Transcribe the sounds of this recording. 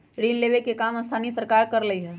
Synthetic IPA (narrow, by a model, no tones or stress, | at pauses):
ɾiːnleʋekekaːməst̪ʰaːnisəɾkaːɾkəɾləiɦɛː